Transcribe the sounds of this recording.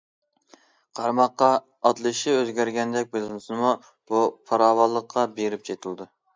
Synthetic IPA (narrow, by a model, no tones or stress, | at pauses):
qʰɑɾmɑqːɑ | ɑt̪lˠɨʃiøzɡʲæɾɡʲɛnd̪ɛk̚ʲbelɪnɪsɨnɨmu | b̥upʰɑɾɑːwɑlˠːəqʰːɑbeɾɪp̚t͡ʃʰet̪ʰɨlˠɨd̪u